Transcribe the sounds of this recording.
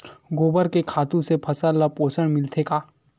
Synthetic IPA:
ɡoːbəɾkekʰaːt̪ũsepʰɐsəlːapoːt͡ʃəɽ̃mɪlt̪ʰekaː

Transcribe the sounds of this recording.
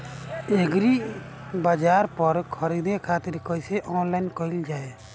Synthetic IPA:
eɡɾibad͡ʒaɾpɔɾkʰɔɾid̪ekʰat̪iɾkɔjsɛʔɔnlajnkɔild͡ʒae

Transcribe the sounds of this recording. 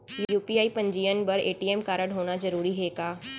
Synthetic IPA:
jjuːpiːaːipɐ̃ɲd͡ʒiːjənbɐɾeːʈiːeːmkaːɾəɽɦoːɽ̃azɐɾuːɾiɦeːɡaː

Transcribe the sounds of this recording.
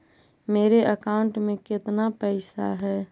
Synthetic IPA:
meːɾeʔəkaʊɳʈmẽkɪt̪napɛɪsa̰ɦɛː

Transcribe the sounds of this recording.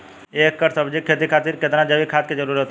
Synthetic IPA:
eːkːəɾsəbd͡ʒikʰet̪̬ikʰaːt̪iːɾket̪nãd͡ʒəbikʰaːt̪ked͡ʒəɾuːɾɦot̪

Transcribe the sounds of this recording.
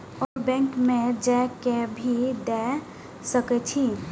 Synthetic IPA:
ɔːɾbɛ̃ŋkmẽd͡ʒɛkebʱid̪ɛ | səket͡ʃʰi

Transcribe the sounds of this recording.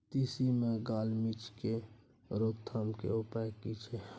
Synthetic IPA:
t̪isimeɡalmit͡ʃke | ɾoɡ̚t̪ʰamkḛupaekit͡ʃʰɛ

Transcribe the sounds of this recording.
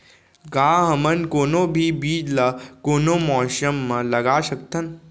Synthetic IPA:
ɡaːɦɐmɐnkoːnoːbʱiːbiːd͡ʒlakoːnomɔːʃɐmːɐ̃lɐɡaːʃɐkt̪ʰɐn

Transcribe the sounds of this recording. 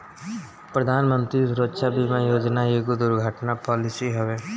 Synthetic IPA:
pɾəd̪ʱaːnmə̃nt̪ɾiɾoːtʃabʱimẽjoːd͡ʒnaɦeɡud̪ʊɾɡʱəʈnapɔːlɪsiɦɛʋeː

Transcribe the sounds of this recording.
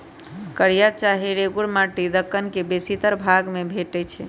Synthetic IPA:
kəɽijat͡ʃaɦiɾeɡuɽmaʈid̪əkːənkebesit̪əɾbʱaɡmebʱeʈɛt͡ʃʰɛ̰

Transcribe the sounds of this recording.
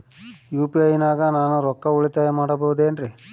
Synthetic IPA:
juːpiɐjnaːɡɐnaːnuɾɔkːɐuɭit̪aːjɐmaːɽɐbɐud̪eːnɾi

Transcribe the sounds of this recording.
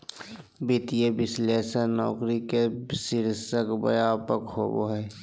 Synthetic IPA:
bɪt̪ijebɪsleːsənɔːkɾikesɪɾsəkbə̰jaːpəkho̰ːbo̰ɦɛː

